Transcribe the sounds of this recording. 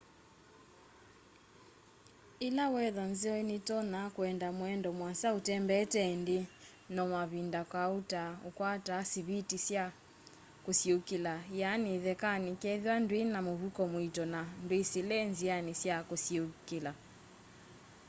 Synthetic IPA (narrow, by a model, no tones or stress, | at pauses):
ilawɛðanziɔinitɔnakwɛndamwɛndɔmwasautɛmbɛtɛnde | nɔmaβindakwautaukwatasiβitisja | kosiukilajaniðɛkanikɛðiwandwenamoβukɔmwitɔnandwesilɛnzianisjakosiukila